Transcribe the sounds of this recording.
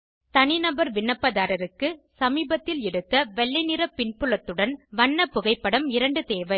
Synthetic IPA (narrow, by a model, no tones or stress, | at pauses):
t̪ɐnɪnɐbɐɾʋɪɳːɐpːɐðaːɾɐɾɯkːɯsɐmiːbɐt̪ːɪlɛɽɯt̪ːɐʋɛɭːɪnɪɾɐpːɪɳpɯɭɐt̪ːɯɽɐnʋɐɳːɐpːʊɣɐɪpːɐɽɐmɪɾɐɳɖɯt̪eːʋɐɪ